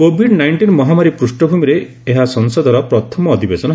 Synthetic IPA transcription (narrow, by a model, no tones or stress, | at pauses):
kobʱiɖnajɳʈinmɔɦamaɾipɾusʈɔbʱumiɾe | eɦasɔŋsɔd̪ʱɔɾɔpɾɔt̪ʰɔmɔːd̪ʱibesɔnɔ